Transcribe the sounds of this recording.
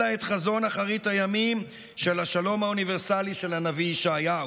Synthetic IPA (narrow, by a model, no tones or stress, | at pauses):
aet̪χazo̞naχaʁithajamim | ʃe̞laʃalo̞mhauniveʁsaliʃe̞lanaviʃeaja